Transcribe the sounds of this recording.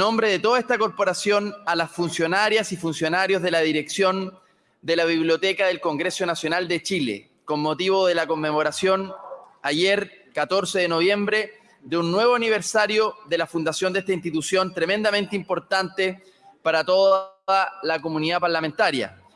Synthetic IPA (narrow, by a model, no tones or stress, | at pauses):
no̞mbɾe̞ðet̪o̞ðaest̪ako̞ɾpo̞ɾasjo̞nalasfunsjo̞naɾjasifunsjo̞naɾjo̞zðe̞laðiɾeksjo̞n | d̪elaβiβljo̞t̪ekaðelko̞ŋɡɾe̞so̞nasjo̞nald̪e̞t͡ʃilḛ | ko̞nmot̪iβoðe̞lako̞mːemo̞ɾasjo̞najeɾkat̪o̞ɾseðeno̞βje̞mbɾe̞ | ðeunːwe̞βoaniβeɾsaɾjoðelafund̪asjo̞nd̪est̪ainst̪it̪usjo̞nt̪ɾe̞mẽ̞nd̪ament̪impo̞ɾt̪ant̪e | paɾat̪o̞ðalako̞muniðapaɾlament̪aɾja̰